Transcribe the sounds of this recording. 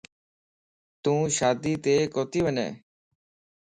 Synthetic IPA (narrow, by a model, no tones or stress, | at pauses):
t̪ũːʃaːd̪iːt̪eːkoːt̪iːʋənḛː